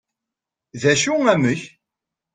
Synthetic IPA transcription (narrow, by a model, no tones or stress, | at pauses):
ðæʃuŋæməç